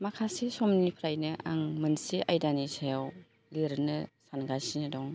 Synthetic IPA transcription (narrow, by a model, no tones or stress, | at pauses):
makʰasesɔmnipʰɾajnɯʔa̰ŋmɯnsiʔajdanisajaw | leɾnɯsanɡasinɯdɔŋ